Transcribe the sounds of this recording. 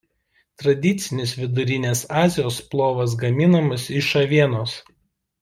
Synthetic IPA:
t̪ɾɐd̪ʲɪt̪sʲɪnʲɪsʋʲɪd̪ʊɾʲɪnʲeːsɑːzʲɪjoːsplˠoːʋɐs̬ɡɐmʲɪnɐmɐsɪʃɐʋʲiɛnoːs

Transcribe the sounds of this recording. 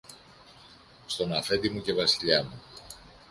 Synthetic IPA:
st̪o̞nɐfe̞d̪imuce̞vɐsiʎɐmu

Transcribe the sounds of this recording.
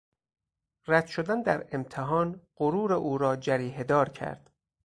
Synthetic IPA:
ræd̪̥ʃod̪ænd̪æɾe̞mt̪ʰeɦɒːnɢoɾuːɾeʔuːɾɒːd͡ʒæɾiːɦed̪ɒːɾcʰæ̰ɾd̪̥

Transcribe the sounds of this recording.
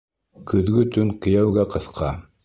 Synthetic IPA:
kɵ̆ðɡɵt̪ɵŋkɘ̆jæwɡæqɤ̆θqʰɑ

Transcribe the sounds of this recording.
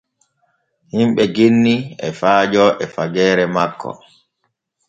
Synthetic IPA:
himɓɛɡenːiɛfaːd͡ʒɔʔɛfaɡɛːɾɛmakːɔ̰

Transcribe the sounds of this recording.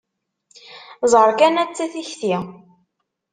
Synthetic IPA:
zˤəɾˤkænæt͡sːæθiçθi

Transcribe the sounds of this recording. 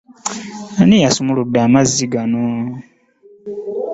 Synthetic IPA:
anijasumuludːaːmaziɡano

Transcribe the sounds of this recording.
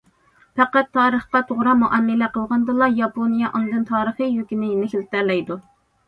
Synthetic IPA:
pɛqæt̪ʰːɑːɾəχqɑt̪ʰoʁɾɑmuʔɛnːɪlɛqəlˠʁɑnd̪ɨlˠɑjɑponijɑʔɑnˠd̪ɨnt̪ʰɑːɾəχəjøkʲinɪjnɪxʲilt̪æɾlɛjd̪u

